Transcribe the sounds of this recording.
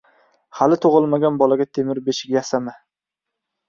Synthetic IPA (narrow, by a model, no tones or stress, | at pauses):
halɪt̪ʰoʁɨlˠmaɡʲanbɒlaɡʲat̪ʰemɪɾbeʃɪkʲjasamɪ